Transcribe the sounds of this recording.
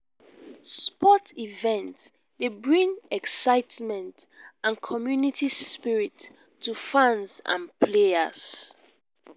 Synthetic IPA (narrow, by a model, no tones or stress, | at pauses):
spɔtivɛ̃nt | lebɹĩŋɛksaɪtmɛ̃nt | ãnkʰɔmjunitʰispiɹitʰː | ufãnsã̰npʰleəz